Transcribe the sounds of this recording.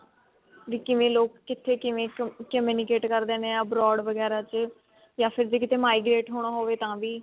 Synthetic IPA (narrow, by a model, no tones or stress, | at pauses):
ʋiːkɪʋẽːloːkːɪt̪ʰːeːkɪʋẽːkəmjuːnɪkeːʈkəɾd̪eːneãːbɾɔːɖʋəɡɛːɾaːt͡ʃ | jaːpʰɪɾd͡ʒiːkɪt̪ʰeːmaːiːɡɾeːʈɦoːɽ̃aːɦoːʋeːt̪ãːʋiː